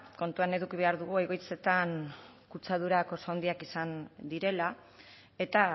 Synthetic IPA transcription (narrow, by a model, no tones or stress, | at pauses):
ko̞nt̪uane̞ðukiβe̞aɾðuɣueɣo̞jt͡se̞t̪ankut͡sað̞uɾako̞sownd̪iakisand̪iɾe̞la | e̞t̪a